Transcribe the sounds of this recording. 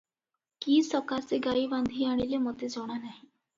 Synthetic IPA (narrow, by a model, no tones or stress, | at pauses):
kiːsɔkaseɡaibãnd̪ʱiaɽ̃ilemɔt̪ed͡zɔɽ̃anaɦĩ